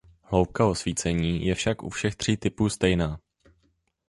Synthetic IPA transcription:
hlo̞wp̚kao̞sviːt͡sɛɲiːjɛfʃakʔṵfʃɛxt̪r̝̥iːt̪ɪpuːst̪ɛjnaː

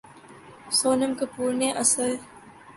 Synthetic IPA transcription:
soːnəmkɐpuːɾneʔɐsəl

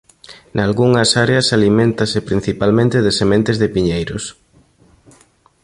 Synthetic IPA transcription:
nalɣuŋɐsaɾeɐsalimẽnt̪ɐsɪpɾin̟θipalmẽnt̪ɪðɪsemẽnt̪ɪzðɪpiɲejɾʊ̰s

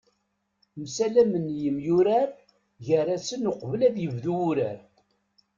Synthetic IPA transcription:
msælæmənjəmjuɾaɾ | ʝəɾæsənʊqvəlæðjəvðuːɾæɾ

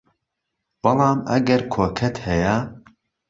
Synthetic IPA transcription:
b̥ɨlˠɑːmɐ̰ɡɐɾkʰoːkʰɐt̪hɛja

